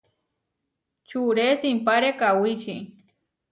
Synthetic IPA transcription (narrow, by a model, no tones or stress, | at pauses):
t͡ʃuɾesimpaɾekawit͡ʃi